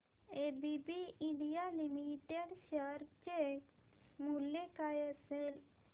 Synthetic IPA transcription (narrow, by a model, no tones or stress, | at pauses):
ebibiiɳɖijalimiʈeɖʃəɾt͡ʃe | muljekajəsel